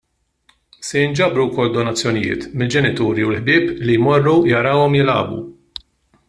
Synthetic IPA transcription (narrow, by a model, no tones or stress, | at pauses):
sɛjɪnd͡ʒɐbɾuwkɔlːd̪ɔnɐt͡sːjɔnɪjɪ̰ːt̪mɪld͡ʒɛnɪt̪uːɾiwlħbɪːplijmɔrːujɐɾɐwɔmjɪlɐ̰ːbṵ